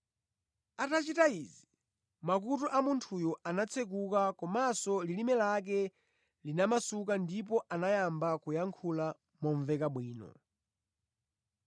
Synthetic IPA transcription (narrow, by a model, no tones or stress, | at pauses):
atat͡ʃitaizi | makutɔʔamuntʰujɔʔanat͡sʰɛk̬ukakɔmasɔlilimɛlak̬ɛ | linamasukandipɔʔanajambakujaŋkʰula | mɔɱvɛkaɓwiːnɔ̰